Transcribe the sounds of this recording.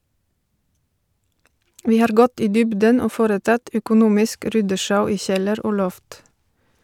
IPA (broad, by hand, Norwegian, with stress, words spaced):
ˈʋiː ˈhɑːɾ ˈɡɔt ˈiː ˈdʏbdən ˈoː ˈfoːɾəˌtɑt œkʊˈnuːmɪsk ˈɾʏdəˌʃɑʉ ˈiː ˈçɛləɾ ˈoː ˈlɔft